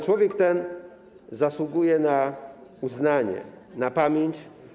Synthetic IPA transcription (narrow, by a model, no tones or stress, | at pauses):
t͡ʂwɔvʲjɛkt̪ɛn | zaswuɡujɛnauznaɲɛ̰ | napamʲjeɲt͡ɕ